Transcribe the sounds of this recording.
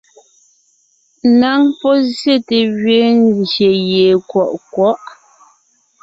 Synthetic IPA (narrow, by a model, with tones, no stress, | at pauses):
na˨˦ŋpɔ˦zje˦˨te˨ɣɥe˨˦nze˨je˨kwɔ˨ʔkwɔ˦ʔ